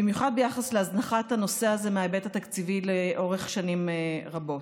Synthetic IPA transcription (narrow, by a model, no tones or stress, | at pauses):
bimjuχad̪̚bejaχasleaznaχathano̞se̞azemeaebetat̪akt͡sivileʔo̞ʁeχʃanimʁabo̞t